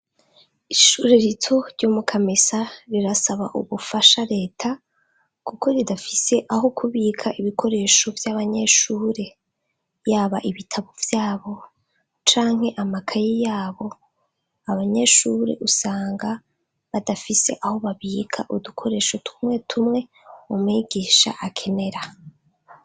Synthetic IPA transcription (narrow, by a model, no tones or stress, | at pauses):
iʃuɾeɾitʰo̞ɾɟoːmukʰamisaɾiɾasaβaʔṵβufaʃaɾe̞ːtʰa | kukʰo̞ɾidafise̞ʔaɦo̞kʰuβikʰaʔiβiko̞ɾe̞ːʃo̞vjaβaɲe̞ːʃuːɾe̞ | jaːβaʔiβitʰaβovjaːβo̞ | t͡ʃaːŋ̥he̞ʔamakʰajijaːβo̞ | aβaɲe̞ːʃuːɾe̞̰ʔusaːŋɡa | βadafise̞̰ʔaho̞βaβiːkʰa̰ʔudukʰo̞ɾe̞ːʃotʰu̥mŋe̞tʰumŋe̞ | umŋiɡiːʃa̰ʔakʰe̞ne̞ɾa